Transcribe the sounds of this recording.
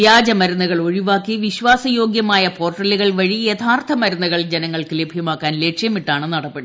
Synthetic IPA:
jaːd͡ʑɐmɐɾunːɐɣɐɭo̞ɻiʋaːkːiʋiɕʋaːsɐjo̞ːɡjɐmaːjɐpo̞ːrʈːɐliɣɐɭʋɐɻijet̪ʰaːrt̪ʰɐmɐɾunːɐɣɐɭd͡ʑenɐŋːɐɭkɨlebʱjɐmaːkːaːnle̞ːkʂjɐmiʈːaːɳɨnɐɽɐpːe̞ɽu

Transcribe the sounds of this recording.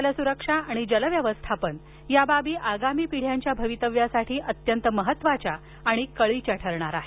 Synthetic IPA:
ləsuɾəkʂaaɽ̃id͡ʑələʋjəʋəst̪ʰapən | jababiːʔaɡamiːpiɽ̤jaɲt͡ɕjabʱəʋit̪əʋjasaʈʰiːʔət̪jənt̪əməɦət̪ːʋat͡ɕjaː | ɽ̃ikəɭit͡ɕjaʈʰəɾɳ̃aɾaɦe

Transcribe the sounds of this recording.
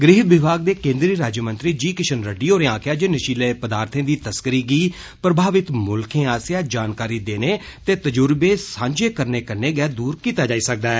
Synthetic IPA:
ɡɾieːʋɪbʱaːɡ̚d̪eːkẽːnd̪ɾiːɾaːd͡ʒjmə̃nt̪ɾiːd͡ʒiːkɪʃənɾəɖiːoːɾẽãːkʰjaːd͡ʒeːnəʃiːləpəd̪aːɾt̪ʰẽːd̪iːt̪əskəɾiːɡiː | pɾəbʱaːʋɪt̪mʊlkʰẽːaːsjaːd͡ʒaːnkaːɾiːd̪eːneːt̪eːt̪əd͡ʒʊɾbeːsãːɲd͡ʒeːkəɾneːkəɾneːɡɛːd̪uːɾkiːt̪aːd͡ʒaːiːsək̚d̪aːɛː

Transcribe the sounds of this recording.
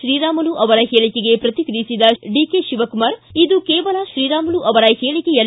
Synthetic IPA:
ʃɾiːɾaːmɐnuʔɐʋɐɾɐɦeːɭikeɡe̞pɾɐt̪ikɾisid̪ɐɖikeʃiʋɐkumaɾid̪ukɛːʋɐlɐʃɾiːɾaːmɐnuʔɐʋɐɾɐheːɭikɛjɐ

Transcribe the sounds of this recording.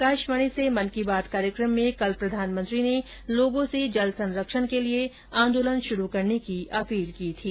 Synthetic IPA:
kaːʃʋəɽ̃isemɐnkibaːt̪kaːɾjəkɾəmːẽkɐlpɾɐd̪ʱaːnmə̃nt̪ɾine | loːɡõsed͡ʒɐlsɐ̃nɾəkʃəɽ̃kelie | ãːnd̪oːlənʃʊɾukɐɾnekiʔɐpiːlkiːt̪ʰiː

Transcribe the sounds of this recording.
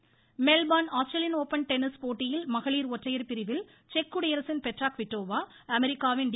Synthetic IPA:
mɛlbaːnaːsʈɾɐlɪnoːpːɐnʈɛnɪspoːʈːɪjɪlmɐɣɐɭiːɾɔʈrɐjɐɾpɪɾɪʋɪl | t͡ʃɛkːʊɽejɐɾsɪnpɛʈraːkʋɪʈːoːʋaː | ɐmɛɾɪkːaːʋɪnɖ

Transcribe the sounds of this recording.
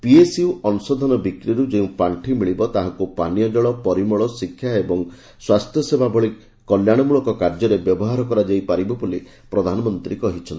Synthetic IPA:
piesiuɔnusɔd̪ʱɔnɔbikɾiɾud͡ʒeũpaɳʈʰimiɭibɔt̪aɦãŋkupanijɔd͡ʒɔɭɔpɔɾimɔɭɔsikʰjaebɔŋ | swast̪ʰjɔsebʱabɔɭi | kɔljaɽ̃ɔmuɭɔkɔkaɾd͡ʒɔɾebjɔbɔɦaɾɔkɔɾad͡ʒajpaɾibɔbuli | pɾɔd̪ʱanɔmɔnt̪ɾikɔɦit͡ʃʰɔnt̪i

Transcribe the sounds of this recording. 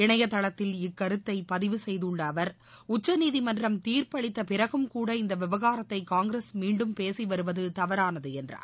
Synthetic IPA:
ɪɳɐjɐt̪ːɐɭɐt̪ːɪlɪkːɐɾɯt̪ːɐɪpɐðɪʋɯsɛjðɯɭːɐːʋɐɾ | ʊt͡ʃːɐniːðimɐndrɐmt̪iːɾpɐɭɪt̪ːɐpɪɾɐɣɯmkuːɽɐɪnd̪ɐʋɪʋɐɣaːɾɐt̪ːɐɪkaːŋɡɾesmiːɳɖɯmpeːsiʋɐɾɯʋɐðɯt̪ɐʋɐɾaːnɐðɯɛndra̰ː

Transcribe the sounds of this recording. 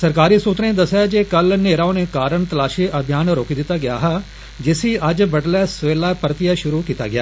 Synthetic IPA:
səɾkaːɾiːsuːt̪ɾẽːd̪əsːjaːd͡ʒeːkəlneːɾaːoneːkaːɾəɳt̪əlaːʃiːʔəbʱɪjaːnɾoːkid̪ɪt̪ːaːɡɪja̰ːɦaː | d͡ʒɪsiːəd͡ʒbəɖlɛːsʋeːlaːpəɾt̪ɪjaːʃʊɾuːkiːt̪a̰ːɡɪja̰ː

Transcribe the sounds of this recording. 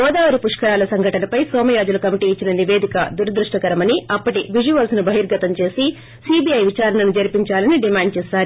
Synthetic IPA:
ɔːd̪aːʋɐɾipuʂkɐɾaːlɐsɐŋɡʱɐʈɐnɐpɐjsɔːmɐjaːd͡ʒulɐkɐmiʈiːt͡ʃːinɐniʋe̞ːd̪ikɐd̪uɾɐd̪ɾuʂʈɐkɐɾɐmɐniɐpːɐʈiʋid͡ʒuʋɐlsnubʱɐɦiɾɡɐt̪ɐmt͡ʃe̞ːsi | sibiɐjʋit͡ʃaːɾɐnɐnud͡ʒɐɾpiɲt͡ʃaːlɐniɖimaːɳɖ̚t͡ʃɛːsaːɾu

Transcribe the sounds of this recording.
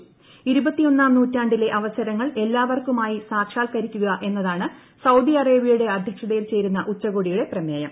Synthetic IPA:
iɾubɐt̪ːijo̞nːaːmnuːtːaːɳɖile̞ʔɐʋɐsɐɾɐŋːɐɭe̞lːaːʋɐrkumaːjisaːkʂaːlkɐɾikʲːuɣɐʔe̞nːɐðaːɳɨ | sɐwd̪iɐreːbijɐjuɽe̞ɐd̪ʱjɐkʂɐðejilt͡ɕe̞ːɾunːɐʔut͡ɕːɐɣoːɽijuɽe̞prɐmjeːjɐm

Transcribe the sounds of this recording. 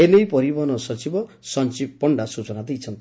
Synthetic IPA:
elejpɔɾibɔɦɔnɔsɔt͡ʃibɔ | sɔnt͡ʃipːɔɳɖasut͡ʃɔnad̪ejt͡ʃʰɔnt̪i

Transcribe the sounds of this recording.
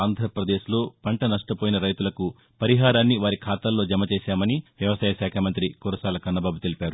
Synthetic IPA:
aːnd̪ʱɐɾpɾɐd̪e̞ːʃlo̞ːpɐɳʈɐnɐʂʈɐpoːjinɐɾɐjt̪ulɐku | pɐɾiɦaːɾaːnːiʋaːɾikʰaːt̪ɐlːo̞ːd͡ʒɐmɐt͡ʃeːʃaːmɐniʋjɐʋɐsaːjɐʃaːkʰɐmɐnt̪ɾikoːɾɐsaːlɐkɐnɐbaːbut̪elipʲaːɾu

